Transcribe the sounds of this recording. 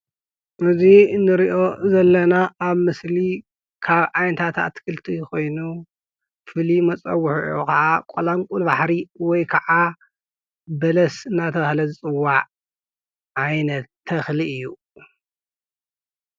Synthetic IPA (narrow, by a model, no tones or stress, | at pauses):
ʔɨzinːɨɾiʔo̞zɐlːɐnaʔaβmɨsli | kʰaβajnɐt̪ʰat̪ʰa̰t̪kʰɨlt̪ʰiko̞jnu | fɨlimɐt͡sʼɐwːʊħuʔʔokɐʕakʼolaŋkʼulbaħɾiwɔjkʰɐʕa | bɐlɐsɨnːat̪ʰɐβahlɐzɨt͡sʼɨwːaʕ | ʔajnɐt̪ʰːɐxliɨjːu